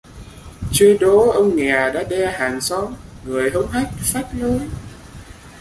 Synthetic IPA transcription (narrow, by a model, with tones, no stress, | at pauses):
t͡ɕwi˧nɗo˨˦ʔə˧wŋ͡mŋɛ˨˩ɗa̰ː˧˥ɗɛ˧haː˨˩nsɔ˨˦ŋŋɨ˨˩əjɦə˧wŋ͡mɦa˦˥jk̚faː˦˥t̚lə˨˦j